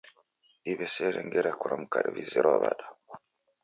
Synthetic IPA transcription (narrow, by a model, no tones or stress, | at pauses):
iβɛsɛɾɛŋɡɛɾakuɾamukaɾiβiziɾɔβa̰ɗa